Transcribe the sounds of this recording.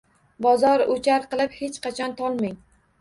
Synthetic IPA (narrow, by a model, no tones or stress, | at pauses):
bɒzɒɾʊt͡ʃʰaɾqɨlˠɪphet͡ʃqʰɑt͡ʃʰɒnt̪ʰɒlˠmɪŋ